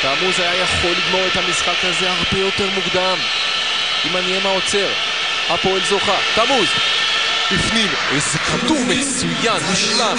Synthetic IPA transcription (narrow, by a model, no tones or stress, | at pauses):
t̪amuzajajaχo̞lːiɡmo̞ʁet̪hamisχakaze̞haʁbe̞jo̞t̪e̞ʁmukd̪am | imaniemao̞t͡se̞ʁ | hapo̞elzoχat̪amuz | bifnim | ezekatumet͡sujanmiʃla